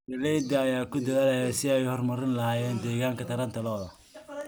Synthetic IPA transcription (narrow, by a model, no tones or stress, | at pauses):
ɛlɛjd̪ɐːjaːkʰʊd̪ɐðaːlɐjɛsɪɛjhɔrmɐɾɪnlɐhaːjɛːnd̪ɛːɣaːŋkʰɐt̪ʰɐɾɐnt̪ʰɐlɔːðɐ